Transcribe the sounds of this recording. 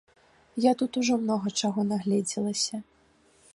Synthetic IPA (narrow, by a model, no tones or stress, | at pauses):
jat̪ut̪uʐɔmnɔɣɐt͡ʂaɣɔnaɣlʲɛd͡zʲilˠɐsʲɐ